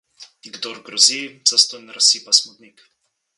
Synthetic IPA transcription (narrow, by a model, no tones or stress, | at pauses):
ɡd̪ɔɾɡɾɔziz̥ast̪ɔnɾasipasmɔd̪nik